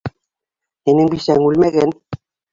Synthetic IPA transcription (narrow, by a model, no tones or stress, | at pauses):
eneŋbiʃæŋulmeɣen